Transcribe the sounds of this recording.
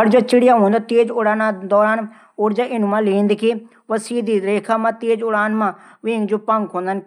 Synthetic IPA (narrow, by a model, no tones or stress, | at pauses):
əɽd͡ʒoːt͡ʃɪɽɪjaːɦoːnd̪aːt̪eːd͡ʒʊɽaːnãːd̪ɔːɾaːn | oːɾd͡ʒaːʔɪnũːmãːliːnd̪kʰi | ʋəsiːd̪iːɾeːkʰãːmãːt̪eːd͡ʒʊɽaːnmãːʋĩːŋɡd͡ʒoːpə̃ŋɡʰõːnd̪ən